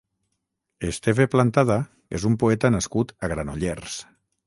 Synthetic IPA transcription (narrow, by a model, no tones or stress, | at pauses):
est̪eveplant̪aða | ezumpoɛt̪anaskut̪aɣɾanoʎers